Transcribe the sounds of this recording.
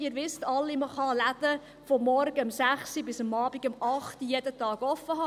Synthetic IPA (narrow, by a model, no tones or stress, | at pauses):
ɪːɾʋɪstɑlːiməχɑlæd̥ə | fɔmːɔɾɡəɑmsæχsibɪsəmɑːb̥iɡ̥əmɑχtijɛdətɑːɡ̥ɔfːəɦɑː